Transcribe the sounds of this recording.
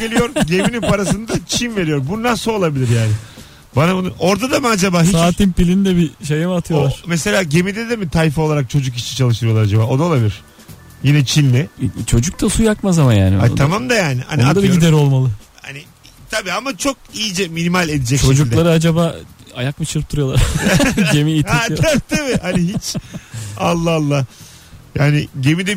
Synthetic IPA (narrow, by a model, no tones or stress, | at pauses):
ɟelʲijo̞ɾumɟeminipaɾasɯnd̪at͡ʃt͡ʃʰinve̞ɾijoɾbunasolˠabilʲiɾjaːnɪ | banabunuo̞ɾd̪ad̪amɯad͡ʒabaːɦsist͡ʃaːt̪impilʲind̪ɛbiʃejɛmat̪ʰɯjooaɾ̥mɛse̞lʲaːɟe̞mid̪ed̪ɛmit̪ʰajfo̞lˠaɾak̚t͡ʃʰo̞d͡ʒuk̬it͡ʃit͡ʃʰalˠɯʃt̪ɯɾɯjo̞lˠaɾad͡ʒabaːo̞d̪alˠabilʲiɾ̥ | jinɛt͡ʃʰilʲnɪt͡ʃʰo̞d͡ʒuk̚t̪ʰasujakmazamanja̰ːnia̰t̪ʰamamd̪ajaːnɪha̰niad̪abiɡid̪ɛɾo̞lˠmalˠɯha̰nɪ | t̪ʰabiːamat͡ʃʰo̞k̚ijid͡ʒɛminimalʲed̪id͡ʒɛct͡ʃʰo̞d͡ʒukd̪ɛlˠaɾɯad͡ʒabaːa̰jak̚mɯt͡ʃʰɯɾpt̪ʰuɾɯjo̞lˠaɾɟemiːt̪haabt̪ʰabihaniɦit͡ʃ | alˠːaalˠːa | jaːnɪɟe̞mid̪ɛ